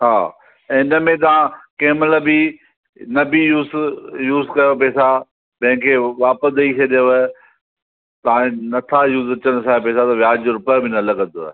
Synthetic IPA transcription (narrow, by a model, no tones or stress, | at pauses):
ɦãː | ɪnəmẽt̪̬ɐʋ̤ãkeːɦmɪlbi | nɐbijuːzjuːzkɐjopɛːsa | pɐ̃ɦɪ̃kʰeːʋaːpəsd̪ɐit͡ʃʰɐɗjo | t̪ɐʋãnɐt̪ʰajuːzɐt͡ɕəɽ̃saːepɛːsat̪ɐʋjaːd͡ʑɾʊpbʱɪnɐlɐɡə̃nd̪o̰ː